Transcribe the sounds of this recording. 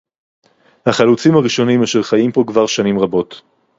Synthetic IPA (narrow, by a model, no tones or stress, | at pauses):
haχalut͡simhaʁiʃo̞nimaʃeʁχajimpo̞kvaʁʃanimʁabo̞t